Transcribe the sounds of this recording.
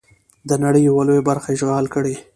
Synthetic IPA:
d̪ənaɽəjawalojabaɾxaʒɣɑlkəɽe

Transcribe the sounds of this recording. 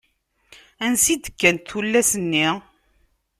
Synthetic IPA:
ænsid̪əkːænt̪ulːæsənːi

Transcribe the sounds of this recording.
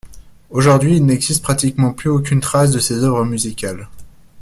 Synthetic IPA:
oʒuʁd̪ɥiːlnɛɡzist̪̚pχat̪ikmɑ̃plyokʲynt̪χas̬d̪əsezœvʁəmyzikʲal

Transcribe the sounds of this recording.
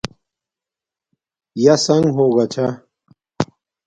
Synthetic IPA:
jasɐŋɡɦoːɣat͡ɕʰa

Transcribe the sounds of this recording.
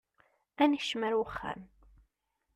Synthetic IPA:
ænəʃmæɾwəχːæ̰n

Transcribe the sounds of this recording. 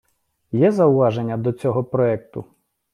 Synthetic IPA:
jɛzɐʊʋɑʒenʲːɐd̪ɔt͡sʲɔɦɔpɾɔɛk̚t̪ʊ̰

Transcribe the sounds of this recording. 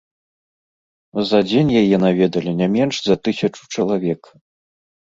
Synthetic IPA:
zɐd͡zʲenʲjajɛnavʲɛd̪ɐlʲinʲamʲɛnʂzɐt̪ɨsʲɐt͡ʂu̥t͡ʂɐlˠavʲɛk

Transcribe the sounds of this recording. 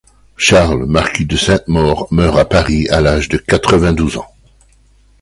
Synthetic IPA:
ʃaʁlmaʁkʰʲid̪əsɛ̃t̪mɔʁmœʁapaʁialaʒd̪əkat̪χəvɛ̃d̪uzɑ̰̃

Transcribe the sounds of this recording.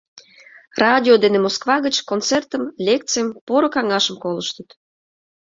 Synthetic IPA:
rɑdʲiod̪enemoskvɑɣət͡ɕkont͡sert̪əmlʲek̚t̪t͡sejəmpoɾokɑŋɑʃəmkoləʃt̪ət̪

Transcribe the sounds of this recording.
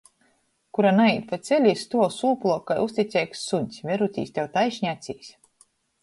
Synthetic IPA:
kuɾanaiːt̪̚pat̪sʲɛlʲist̪uɔsuːplˠuɔkajust̪ʲit̪sʲɛːjksuɲʲsʲvʲɛɾut̪ʲḭːst̪ʲɛwt̪ajʃɲʲat̪sʲiːsʲ

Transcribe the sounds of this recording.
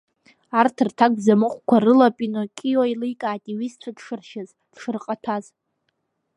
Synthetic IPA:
artʰɨrtʰak̚zamɨχʷkʷʰarɨlapʼinokʲʼijoilɨjkʼaːtʼiɥistʷʰadʂɨrʃaz | d̥ʂɨrqʼatʰaz

